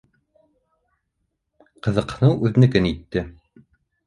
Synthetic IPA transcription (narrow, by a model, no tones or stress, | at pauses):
qɤ̆ðɤ̆qɤ̆nɤwʔʉðɘ̆nɘ̆kɘnit̪ːɘ